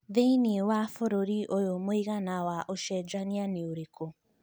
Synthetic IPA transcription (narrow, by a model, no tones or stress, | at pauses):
ðeiniwafoɾoɾiʔojomoiɣanawaʔoʃɛd͡ʒanianeoɾeko